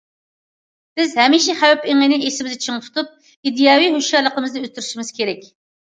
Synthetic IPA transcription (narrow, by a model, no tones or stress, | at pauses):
bɪzhɛmiʃiχæwɛpeŋɪnɪesɪmɪzɪt͡ʃʰiŋt̪ʰu̥t̪ʰup̚ | id̪ijɑːwiɦøʃjɑlˠəqəmɨzd̪ɨøt̪ʰːyɾyʃimɪz̥kʲʰeɾɛkʲ